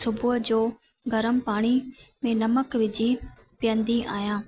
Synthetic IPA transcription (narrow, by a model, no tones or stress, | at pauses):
sʊbʱʊɦəd͡ʑoː | ɡɐɾəmpaːɽ̃imẽnɐməkʋɪd͡ʑi | pɪjə̃nd̪iʔa̰ːjãː